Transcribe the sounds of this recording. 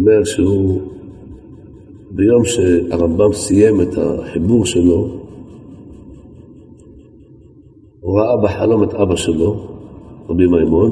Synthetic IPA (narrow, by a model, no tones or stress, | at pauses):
ome̞ʁʃeu | bejo̞mʃeaʁambamsije̞met̪a̰ħibuʁʃelo̞ | ʁaʔabeħalo̞met̪ʔabaʃelo̞ | ʁabimajmon